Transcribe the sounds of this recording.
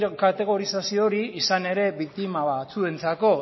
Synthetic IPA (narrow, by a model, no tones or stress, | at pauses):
kat̪e̞ɣ̞o̞ɾisasioɾiisane̞ɾe̞βik̚t̪imaβat͡sue̞nt͡sako̞